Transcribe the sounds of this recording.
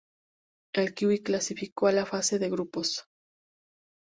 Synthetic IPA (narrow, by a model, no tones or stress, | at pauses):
elkiwiklasifikoalafase̞ðe̞ɣɾupo̞s